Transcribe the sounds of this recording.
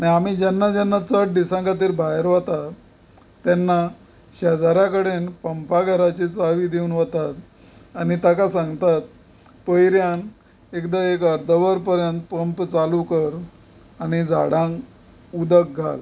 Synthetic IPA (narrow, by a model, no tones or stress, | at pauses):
aniam̤id͡ʑɛnːad͡ʑanːat͡səʈ̚ɖ̪isãŋkat̪iːɾbajeɾʋət̪at̪ː | anːa | ɕad͡zaɾjakəɽenpəmpaɡʱəɾat͡ɕit͡saʋiːd̪euːnʋət̪at̪ | añit̪akasãŋɡt̪at̪̚ | pəjɾjan | ekd̪aekəɾd̪ʱəʋəɾpəɾjənt̪̚pəmpt͡salukəɾ | añid͡zʱa̰ɽãŋk | ud̪ək̚ɡʱa̰l